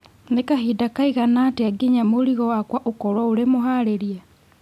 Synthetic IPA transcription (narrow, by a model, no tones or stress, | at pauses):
nekaɦidakaiɣanaːteaɡeɲamoɾiɣɔwakwaʔokɔɾwaoɾemoɦaɾeɾia